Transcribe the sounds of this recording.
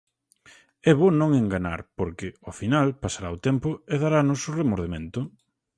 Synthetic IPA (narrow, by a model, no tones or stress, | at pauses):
ɛβonõŋeŋɡana̰ɾpoɾkɪʊfinalpasaɾaʊt̪ɛmpʊeðaɾanʊsʊremoɾð̞emẽnt̪ʊ